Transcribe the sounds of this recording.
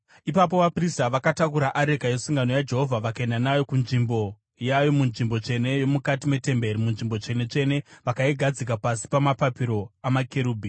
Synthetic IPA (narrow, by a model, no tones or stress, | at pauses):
ipap̬o̞ʋapristaʋakatakuɾaʔaɾe̞kaje̞suŋɡano̞jad͡ʒe̞ɦo̞vʱaʋakaendanajo̞kunʐimbo̞ | jajo̞munʐimbo̞t͡ʂe̞ne̞jo̞mukatime̞te̞mbe̞ɾimunʐimbo̞t͡ʂe̞ne̞t͡ʃe̞ne̞ʋakaiɡʱad͡zik̬apasi̥pamapapiɾo̞amakeɾuːbʱi